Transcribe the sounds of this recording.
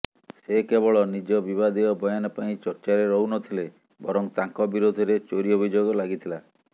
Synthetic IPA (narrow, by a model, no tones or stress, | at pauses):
sekebɔɭɔnid͡ʒɔbiβad̪ijɔbɔjanɔpaĩt͡ʃɔɾt͡ʃaɾeɾɔɦunɔt̪ʰile | bɔɾɔŋt̪aŋkɔbiɾod̪ʱɔɾet͡ʃoɾiɔbʱid͡ʒoɡɔlaɡit̪ʰila